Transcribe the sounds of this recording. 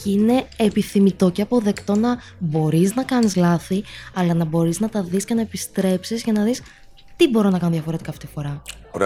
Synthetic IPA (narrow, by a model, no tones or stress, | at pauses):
cine̞epiθimit̪o̞ceɐpo̞ðe̞kt̪o̞nɐ | bo̞ɾiznɐkɐnizlɐθiɐlɐnɐbo̞ɾiznɐt̪ɐðisce̞nɐepist̪ɾe̞psizʝɐnɐðis | t̪ibo̞ɾo̞nɐkɐnoðʝɐfo̞ɾet̪ikɐːft̪it̪ifo̞ɾɐ